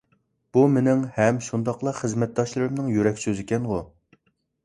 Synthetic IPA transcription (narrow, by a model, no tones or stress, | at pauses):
b̥umɪnɪŋhɛmʃund̪ɑqlˠɑχəzmɛt̪̚d̪ɑʃlˠɨɾɨmnɨŋjyɾɛkʲsøzɪkʲɛnʁʊ